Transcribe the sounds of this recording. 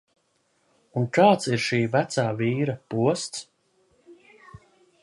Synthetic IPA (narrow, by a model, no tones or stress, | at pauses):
unkaːt̪siɾʃiːvæt̪saːviːɾapuɔst̪s